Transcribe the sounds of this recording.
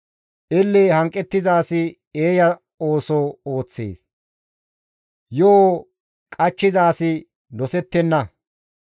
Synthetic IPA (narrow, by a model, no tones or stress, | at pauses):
ʔɪlːeːhɐŋkʼːɛt̪ːɪzaːsɪ | eːjɐ | oːsoːo̞ːt͡sːḛːs | joː | kʼɐt͡ʃːɪzaːsɪ | nɔsɛt̪ːɛnːɐ